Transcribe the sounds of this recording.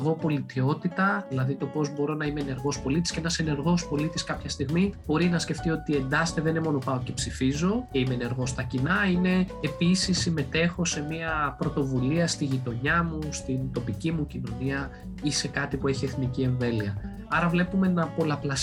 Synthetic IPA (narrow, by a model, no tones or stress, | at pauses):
ɣo̞po̞lit̪io̞t̪it̪ɐðilɐðit̪o̞po̞zbo̞ɾo̞nɐimene̞ɾɣo̞spo̞lit̪isceenɐse̞ne̞ɾɣo̞spo̞lit̪iskɐpçɐst̪iɣmib̥o̞ɾinɐsce̞ft̪io̞t̪ie̞nd̪ɐst̪e̞ðenemo̞no̞pɐoce̞psifizo̞ceimene̞ɾɣo̞st̪ɐcinɐine̞ːpisisːime̞t̪e̞xo̞se̞miɐpɾo̞t̪o̞vuliɐst̪iʝit̪o̞ɲɐmust̪int̪o̞picimucino̞niɐ | ise̞kɐt̪ipue̞çie̞θnicie̞ɱve̞liɐ | ɐɾɐvle̞pume̞nɐpo̞lɐplɐ